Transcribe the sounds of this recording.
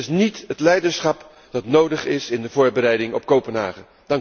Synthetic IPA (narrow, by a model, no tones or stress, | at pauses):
ɪsnitɦətlɛjdəɹsχɑp | d̥ɑtnowdəχɪsɪndəvʊːɹbəɾɛjdɪŋɔ̰p̚kowpənɦa̰ːχə | d̥ɑŋ